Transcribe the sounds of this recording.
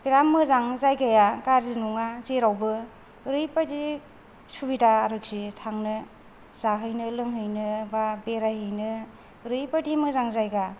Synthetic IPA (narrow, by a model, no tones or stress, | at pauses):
biɾamːɯzaŋzajɡajaɡaɾzinuŋazeɾawbɯ | ɾɯjpadi | subidaːɾɯk̚sitʰaŋnɯ | z̥aɦɯjnɯlɯŋɦɯjnɯbabeɾajɦɯjnɯ | ɾɯjpadimɯzaŋzajɡa